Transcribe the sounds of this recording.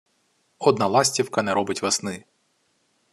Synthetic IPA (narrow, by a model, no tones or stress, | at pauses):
ɔd̪nɑlˠɑsʲtʲiwkɐnɛɾɔbɪtʲʋɐsnɪ